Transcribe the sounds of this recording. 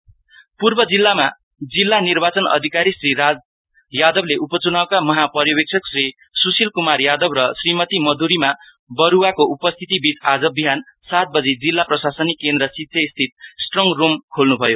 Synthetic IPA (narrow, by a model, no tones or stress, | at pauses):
purbʌd͡zilːama | d͡zilːanirbat͡sʌnʌ̰d̪ʱikaɾisriɾad͡z | jad̪ʌbleʔupʌt͡sunawkamʌɦapʌɾjʌbek̚t͡sʰʌksri | susilkumarjad̪ʌbrʌsrimʌt̪imʌd̪ʱuɾima | bʌɾuwakoʔupʌst̪ʰit̪ibit͡sad͡zʌbiɦan | sat̪̚bʌd͡zid͡zilːaprʌsasʌnikːend̪ɾʌsitsʰest̪ʰit̪̚sʈrʌŋromkʰolnubʱʌjo